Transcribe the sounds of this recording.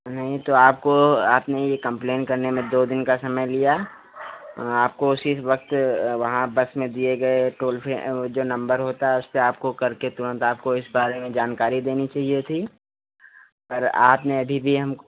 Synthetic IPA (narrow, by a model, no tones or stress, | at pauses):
nɐɦĩt̪oaːpkoaːpnejekɐ̃mpleːnkɐɾnemẽd̪oːd̪ɪnkasɐməjlija | aːp̚koʊsisʋɐk̚t̪ʋɐɦãbɐsmẽd̪ieɡɐeʈoːlfʰed͡ʒoːnɐ̃mbəɾɦoːt̪aɦɛʊsːeaːp̚kokɐɾket̪ʊɾə̃nt̪aːp̚koɪsbaːɾemẽd͡ʒaːnkaːɾid̪eːnit͡ʃaːɦijet̪ʰiː | pɐɾaːpneɐbʱibʱiɦɐmk